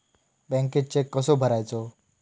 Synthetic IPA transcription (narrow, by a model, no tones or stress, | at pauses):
bɛ̃ŋkeʈ̚t͡ʃekːəsobʱəɾajt͡ʃʰo